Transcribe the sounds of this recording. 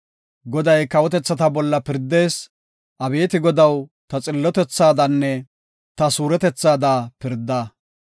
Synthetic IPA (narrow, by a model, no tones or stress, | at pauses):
ɡɔd̪ɐjkɐwɔt̪ɛt͡sːɐt̪ɐbɔlːɐpɪɾd̪e̞ːs | ʔɐbe̞ːt̪ɪɡɔd̪ɐwt̪ɐt͡sʼɪlːɔt̪ɛt͡sːaːd̪ɐnːɛ | t̪ɐsuːɾɛt̪ɛt͡sːaːd̪aːpɪɾd̪ːaː